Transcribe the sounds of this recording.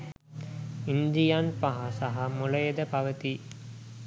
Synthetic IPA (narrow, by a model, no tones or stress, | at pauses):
ind̪ijanpaɦasaɦamuləjed̪əpaʋət̪i